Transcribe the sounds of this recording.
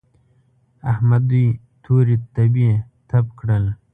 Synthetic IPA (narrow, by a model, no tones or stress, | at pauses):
ahmad̪uj | t̪ʰoːɾit̪abie | t̪ʰapkɽəl